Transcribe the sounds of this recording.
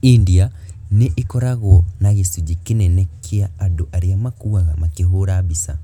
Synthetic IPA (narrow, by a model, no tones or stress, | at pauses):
india | niʔikɔɾaɣɔnaɣisud͡ʒikinenekʰiaːdoʔaɾiamakuɣaɣamakiɦoɾaβisa